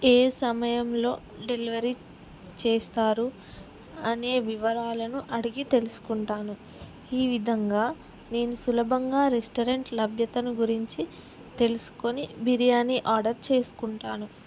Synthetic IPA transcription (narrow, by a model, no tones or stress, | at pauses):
eːsɐmɐjɐmlo̞̰ː | ɖe̞liʋɐɾi | t͡ʃe̞ːst̪aːɾu | ɐne̞ːʋiʋɐɾaːlɐnuʔɐɽiɡit̪e̞lusu̥kuɳʈaːnu | iːʋid̪ʱɐŋɡaː | ne̞ːnusulɐbʱɐŋɡaːɾesʈɐɾeɳʈlɐbʱjɐt̪ɐnuɡuɾiɲt͡ʃi | t̪e̞lusu̥ko̞nibʱiɾijaːniʔaːɾɖɐɾt͡ʃe̞ːsu̥kuɳʈaːnu